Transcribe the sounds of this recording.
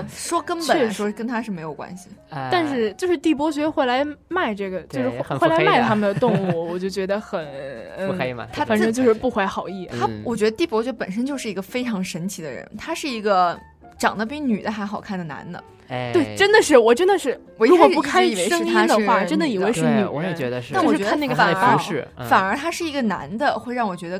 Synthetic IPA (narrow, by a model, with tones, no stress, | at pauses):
ʂwɔ˥kə˥npə˨˩nʂwɔ˥kə˥nt̪ʰa˥ʂɻ̩˥˩me˧˥ɪjo˨˩ʊkwa̰˥nɕi˨˩t̪a˥˧nʂɻ̩˥˧t͡ɕjo˥˧ʊʂɻ̩˥˧t̪i˥˩p̬wɔ˥t͡ɕɥɛ˧˥d̪ə˧xwe˥˩ɪla˧˥ɪma˥˧ɪʈ͡ʂɤ˥˩ɡə˩t͡ɕjo˥˧ʂɻ̩˥˧˥xwe˥˩la˧˥ma˥˩ɪt̪ʰa˥mə˨nd̪ə˩t̪ʊ˥˧ŋŋu˥˩wɔ˨˩t͡ɕjo˥˩ʊt͡ɕɥɛ˧˥d̪ə˧xə˨˩˦nn̩˥˩t̪ʰa˥ə˨˩nʂɤ˥ŋt͡ɕo˥˧ʂɻ̩˥˧pu˥˩xwe˧˥˩ɪxɑ˨˩ʊi˥˩t̪ʰa˥wɔ˨˩t͡ɕɥɛ˧˥d̪ə˧t̪i˥˩pwɔ˥t͡ɕɥɛ˥pə˨˩nʂə˥nt͡ɕjo˥˧ʊʂɻ̩˥˩i˧˥ɡə˧fe˥ɪʈ͡ʂʰɑ˧˥ŋʂə˧˥nt͡ɕʰi˧˥d̪ə̰˧ɻə̰˧˥nt̪ʰa˥ʂɻ̩˥˩i˧˥ɡə˧ | ʈ͡ʂɑ˨˩ŋd̪ə˦˥p̬i˧˥ny˨˩d̪ə˦xa˧˥ɪxɑ˨˩ʊkʰa˥˩nd̪ə˩na̰˧˥nd̪ə̰˧ | t̪we˥˩ɪʈ͡ʂə˥nd̪ə˨ʂɻ̩˥˩wɔ˨˩ʈ͡ʂə˥nd̪ə˨ʂɻ̩˥˩wɔ˧˥˧wɔ˨˥u˥˧kʰa˥˩ni˨˩we˧˥ɪʂə˥ŋ˩ia˥d̪ə˧˥wa˥˩˥ʈ͡ʂə˥nd̪ə˨i˨˩we˧˥ɪɻ̩˥˧˩ny˨˩wɔ˧˦jt͡ɕɥɛ˧də˧a˥˩˥wɔ˨˧˥t͡ɕɛ˥˧˥da˥˧nn˥˩ɡə˩fa˨˥˧ʂɻ̩˥˧fa˨˩nə˞˧˥t̪ʰa˥ʂɻ̩˥˩i˧˥ɡə˧na̰˧˥nd̪ə˧xwe˥˧ɪɻɑ˥˩ŋwɔ˨˩t͡ɕɥɛ˧˥d̪ə˧